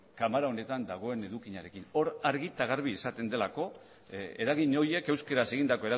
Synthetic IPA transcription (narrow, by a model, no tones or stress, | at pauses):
kamaɾaone̞t̪and̪aɣ̞o̞e̞ne̞ðukiɲaɾe̞kino̞ɾaɾɣit̪aɣ̞aɾβ̞iːsat̪e̞nd̪e̞lako̞ | e̞ɾaɣiɲo̞je̞ke̞wske̞ɾase̞ɣind̪ako̞e̞ɾa